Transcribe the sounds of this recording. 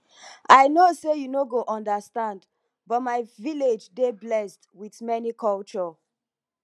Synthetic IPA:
ʔaɪnosejunoɡoʔɔ̃ndəstãnd | bɔtmaɪviled͡ʒdeblɛstwiðmɛnikʰɔlt͡ʃɔ

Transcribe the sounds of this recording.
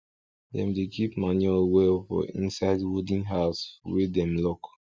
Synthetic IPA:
dɛ̰̃mdekʰipmanɛlwɛlfɔ̰ḭ̃nsaɪdwodĩnɦaʊswedɛ̃mlɔk

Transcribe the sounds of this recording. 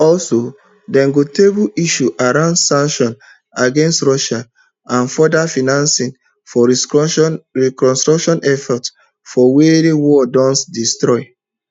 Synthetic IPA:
ɔlso | dɛ̃ŋɡotebuiʃuʔaɾãʊ̃ndsãŋkʃɔ̃n | aɡẽnstɹɔʃan | ãnfɔdafinãnsĩn | fɔ | ɹikɔ̃nstɹɔkʃɔ̃nɛfɔt | fɔweɾewɔdɔ̃nsdistɹɔɪ

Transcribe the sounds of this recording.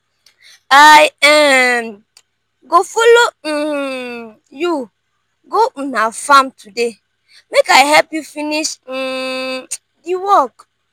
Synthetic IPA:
ajɛm | ɡofolo | ju | ɡonafamtʰude | mekajɦɛpjufiniʃ̩ | diwɔk

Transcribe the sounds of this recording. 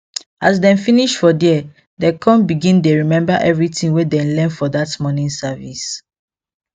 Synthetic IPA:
ʔas̬dɛ̃nfiniʃfɔdɛ | dekʰɔ̃nbiɡĩndeɹimɛ̃mbaʔɛvɹitĩŋwedɛ̃nlɛ̃nfɔdatmɔnĩnsavis

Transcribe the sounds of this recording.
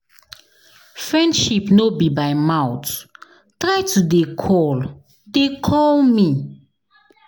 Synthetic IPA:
fɹɛ̃ndʃipnobibaɪmawt | tɹajtʰudekʰɔl | dekʰɔlmi

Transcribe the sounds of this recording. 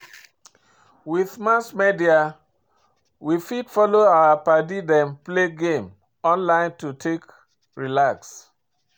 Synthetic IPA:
wiðmasmedia | wifidfɔloaapadidɛ̃mpleɡẽm | ɔ̃nlãɪ̃ntutʰek | ɹilaks

